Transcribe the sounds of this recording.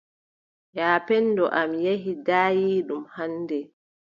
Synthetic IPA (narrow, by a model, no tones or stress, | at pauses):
jaːpɛndɔʔamjeɦidaːjiːɗumhanːdɛ